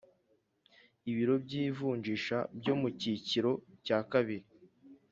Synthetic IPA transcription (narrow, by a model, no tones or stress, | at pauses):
iβiɾo̞bɟiːvuːɲd͡ʒiʃa̰bɟo̞muciciɾo̞caːkaβiɾi